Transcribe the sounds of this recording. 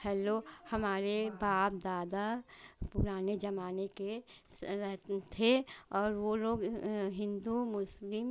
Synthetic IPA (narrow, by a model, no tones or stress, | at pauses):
hɛːlohɐmaːɾebaːp̚d̪aːd̪apʊɾaːned͡ʒɐmaːnekeɾɛɦt̪t̪ʰeɔːɾʋoloːɡɦɪ̃nd̪umʊslɪm